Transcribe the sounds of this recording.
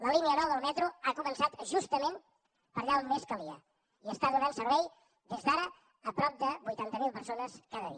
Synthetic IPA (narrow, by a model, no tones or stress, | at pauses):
ləliniənɔβəlˠmɛt̪ɾuakumənsat̪ʒust̪əmen | pəɾʎaunmeskəliə̰ | iəst̪aðunalˠsəɾβɛj | d̪ezdaɾəː | pɾɔp̚d̪əbujt̪ant̪əmilˠpəɾsonəskaðəðḭə